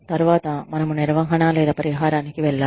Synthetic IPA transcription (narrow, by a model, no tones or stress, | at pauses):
t̪ɐɾʋaːt̪aːmɐnɐmunɛɾɐʋɐ̃ŋɦɐnaːlɐjɾɐpɐɾɪɦaːɾaːnikːiʋɛlːaː